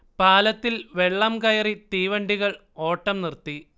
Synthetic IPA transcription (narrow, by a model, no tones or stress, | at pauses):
paːlɐt̪ːilʋe̞ɭːɐmkɐjɐrit̪iːʋɐɳɖiɣɐɭ | o̞ːʈːɐmnirt̪ːi